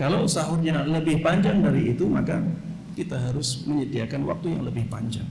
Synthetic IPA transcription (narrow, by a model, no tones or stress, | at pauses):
kalowsaɦʊnɲaləbɪhpaɲd͡ʒaŋdaɾiit̪uma̰ka | kit̪aɦaɾʊsməɲədiakanwa̰k̚t̪uja̰ŋləbɪhpa̰ɲd͡ʒaŋ